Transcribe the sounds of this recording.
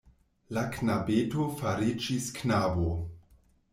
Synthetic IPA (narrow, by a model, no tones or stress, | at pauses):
laknabetofaɾid͡ʒisknabo